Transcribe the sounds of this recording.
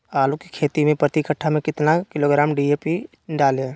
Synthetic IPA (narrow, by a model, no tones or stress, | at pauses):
aːluki̥kʰeːt̪imẽpɾət̪ikəʈʰːamẽkɪt̪nakɪloːɡɾaːmɖieːpi | ɖaːlẽː